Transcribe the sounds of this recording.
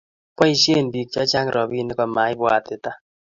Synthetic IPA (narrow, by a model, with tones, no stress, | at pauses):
pwɔ˦i˦ʃje˦˨n˨bi˨k̚t͡ʃɔ˦t͡ʃa˦ŋ˨ɾʔɔ˨bi˦nɪ˦kɔ˨ma˨˦ɪ˦bwa˨tɪ˨ta˦